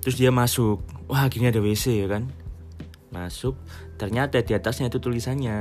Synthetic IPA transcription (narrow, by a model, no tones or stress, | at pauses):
t̪ɾʊs̬diamasʊk̚wʔahaɡinadawesejakan | ma̰sʊk̚ | t̪ərɲat̪ad̥iat̪asɲait̪ut̪ulisanɲa